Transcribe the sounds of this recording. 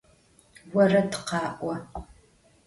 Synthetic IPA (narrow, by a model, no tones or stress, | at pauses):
wɐrɐtɨ̥qɑːʔʷɐ